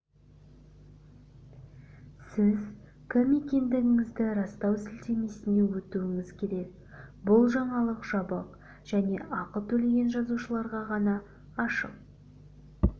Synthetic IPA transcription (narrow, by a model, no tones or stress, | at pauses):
sɪz | kʲʰɪmːekʲe̞nd̪ɪɡʲɪŋɪzd̪ɪɾɑst̪ɑwsɪlt̪e̞me̞sɪne̞wɵt̪uɪŋɪzkʲʰe̞ɾe̞ɡ | bʊlˠʒɑɴɑlˠəqʒ̥ɑbəq | ʒ̥æne̞̰ʔɑqət̪ʰɵle̞ɡʲe̞nʒɑzuʃəlˠɑɾʁɑʁɑnɑː | ʃə̰q̚